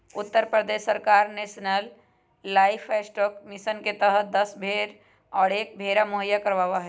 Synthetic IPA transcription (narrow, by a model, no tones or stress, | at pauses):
ʊt̪ːəɾpɾəd̪essːəɾkaːɾnesnəlː | aɪfʰesʈɔːkmɪsənket̪əɦəd̪əsbʱeːɾ | ɔːɾeːk̚bʱeɾamʊɦəjːakəɾʋaʋaɦɛ